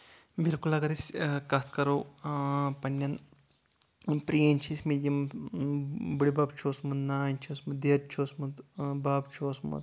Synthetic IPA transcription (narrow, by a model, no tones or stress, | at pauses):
bilkulɐɡɐɾisʲkɐt̪ʰkɐɾoː | pɐnːɐn | pɾijenʲt͡ʃʰisʲmid̪ʲjɐm | biɽibabt͡ʃʰoːsmunnaːnʲt͡ʃʰoːsmud̪eːd̪̚t͡ʃʰoːsmud̪baːbt͡ʃʰoːsmṵt̪